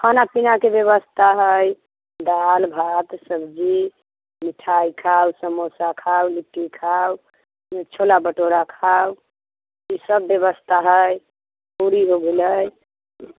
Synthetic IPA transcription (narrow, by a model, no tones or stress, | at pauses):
kʰanapinakebjəβəst̪ʰaɦəj | d̪albʱat̪səbd͡ʒi | miʈʰajkʰawsəmosakʰawliʈːikʰaw | t͡ʃʰolabəʈoɾakʰaw | isəbːjəβəst̪ʰaɦəj | puɾiɦoɡeləj